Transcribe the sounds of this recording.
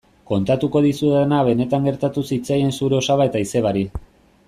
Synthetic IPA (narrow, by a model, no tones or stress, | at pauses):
ko̞nt̪at̪uko̞ðisuenaβe̞ne̞t̪aŋɡe̞ɾt̪at̪usit͡saje̞nsuɾe̞o̞saβae̞t̪aise̞βaɾi